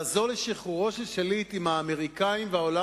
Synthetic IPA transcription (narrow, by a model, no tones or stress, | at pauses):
azoleʃiχuʁo̞ʃeʃelit̪imhaːme̞ʁikaimveaola